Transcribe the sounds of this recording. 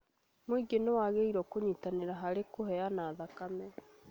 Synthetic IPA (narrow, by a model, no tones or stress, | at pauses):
moiɡenowaɣeiɾɔkoɲitaneɾaɦaɾekoɦɛanaːðakamɛ